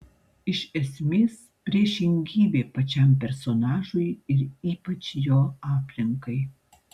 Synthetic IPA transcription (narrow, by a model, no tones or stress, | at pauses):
ɪʃɛsʲmʲeːs | pʲɾʲiɛʃʲɪŋʲɡʲiːbʲeːpɐt͡ʃʲɛmʲpʲɛɾsonɑːʒʊɪɪɾiːpɐt͡ʃjoːɑːpʲlʲɪŋkɐɪ